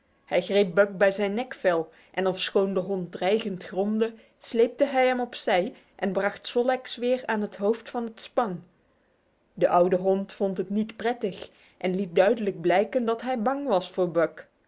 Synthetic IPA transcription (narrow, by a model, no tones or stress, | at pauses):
hɛjχrejp̚bœk̚bɛjzɛjnːɛkfɛlˠ | ʔɛnɔfsχowndəɦɔnt̚drɛjχəntχrɔmdə | slejp̚təɦɛjɦɛmɔpsɛj | ʔɛnbrɑχtsɔlɛksʋɪːraːnɦətɦowftfɑnɦətspɑn | dəʔʌwdəɦɔntfɔntɦətnitprɛtəχ | ʔɛnlit̚dœɥdələɡ̚blɛjkəndɑtɦɛjbɑŋʋɑsfʊːɹbœk